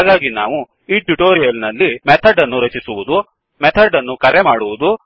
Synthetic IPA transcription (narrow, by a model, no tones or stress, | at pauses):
aːɡaːɡina̰ːʋu | iːʈuʈoːɾijɐlnɐlːimɛt̪ʰɐɖɐnːuɾɐt͡ʃisuʋud̪u | mɛt̪ʰɐɖːɐnːukɐɾemaːɽuʋud̪u